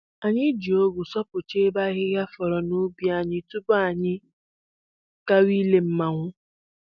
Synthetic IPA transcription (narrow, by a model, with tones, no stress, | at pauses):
a˨ɲɪ˦d͡ʒi˨o˦ɡu˨sɔ˦pʊ˨t͡ʃe˦ba˦ɣɪ˦ɣja˦fɔ˨ɾɔ˨nu˦bi˦a˨ɲɪ˦tu˦ba˨ɲɪ˦ | ka˦wi˦le˦m̩˦ma˨ŋʷʊ˦